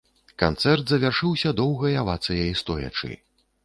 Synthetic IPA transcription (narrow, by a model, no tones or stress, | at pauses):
kant̪sɛrt̪zɐvʲarʂɨwsʲɐd̪ɔwɣɐjavat̪sɨjɐjist̪ɔjɐ̰t͡ʂɨ̰